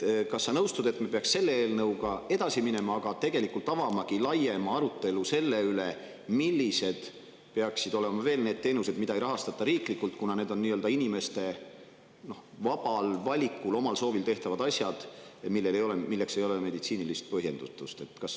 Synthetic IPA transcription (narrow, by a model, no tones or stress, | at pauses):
kɑsːɑnɤwst̪ud̪̥e̞t̪mepe̞ɑksse̞lːeeːlnɤwɡɑe̞d̪̥ɑsimine̞mɑɑɡ̥ɑt̪e̞ɡ̥e̞likult̪ˑɑvɑmɑkilɑje̞mɑɑɾut̪ːˑe̞luse̞lːe̞yle̞ | milʲːise̞d̪̥ | peɑksid̪o̞le̞mɑve̞ːlne̞ːd̪̚t̪e̞ːnuse̞d̪̥mid̪̥ɑejɾʔɑɦɑst̪ɑt̪ːˑɑɾiːklikːˑult̪kunɑne̞ːd̪̥o̞nnːiːøld̪ɑinime̞st̪e̞ | no̞hvɑb̥ɑlvɑlʲikːˑulo̞mɑlso̞ːvilt̪e̞ht̪ɑvɑd̪̥ɑsjɑd̪̥milːe̞lejo̞lemilːe̞kse̞jo̞leme̞d̪it̪siːnilist̪̚pɤɦje̞nd̪̥ut̪ːˑust̪e̞t̪ːˑkɑs